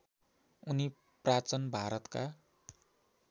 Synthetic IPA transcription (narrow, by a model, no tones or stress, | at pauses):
uni | prat͡sʌnbʱaɾʌt̪ka